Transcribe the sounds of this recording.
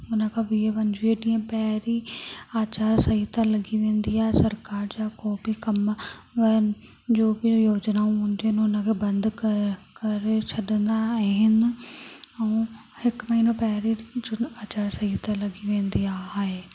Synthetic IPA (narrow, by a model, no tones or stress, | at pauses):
ʊnə̃kʰãʋiːepɐ̃ɲd͡ʑʋieɗĩːə̃pɛɦɾiaːt͡ɕaːɾsɐɦit̪alɐɡiʋẽːnd̪iaːɦesɐɾkaːɾd͡ʑaːkoːbikɐmʋɐənɪ̆ | d͡ʑoːbɪjoːd͡ʒnaũɦũːnd̪iɦənʊnə̃kʰebɐ̃nd̪kkɐɾet͡ɕʰɐɗə̃nd̪aɦɪnɪɛũ | hɪkmɐɦiːnõpɛɦɾiaːt͡ɕaːɾsɐɦit̪alɐɡiʋẽːnd̪iaːɦeː